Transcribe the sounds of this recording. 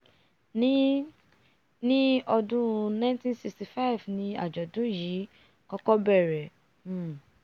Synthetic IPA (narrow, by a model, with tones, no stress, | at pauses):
nĩ˦ | nĩ˦ɔ˧dũ˦˧nã˦ntĩ˦nsi˧ksti˨fa˦i˨vnĩ˧a̰˨d͡ʒɔ˨dũ˨˦ji˨˦ | kɔ˦kɔ˦bɛ˦˨ɾɛ˨˦˨